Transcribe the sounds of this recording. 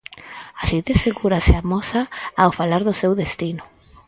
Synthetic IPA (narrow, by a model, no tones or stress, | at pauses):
asiðeseɣuɾaseamɔsaawfalaɾðʊsewðest̪inʊ